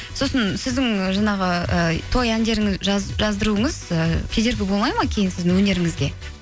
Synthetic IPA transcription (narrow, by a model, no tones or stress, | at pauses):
so̞sənsɪzd̪ɪŋʒɑɴɑʁəət̪ʰo̞jænd̪e̞ɾɪŋɪzʒʒɑzd̪əɾuəɴəzəkʲʰed̪e̞ɾɡʲɪbolˠmɑjmɑkʲʰe̞jɪnsɪzd̪ɪŋwɵne̞ɾɪŋɪzɡʲe̞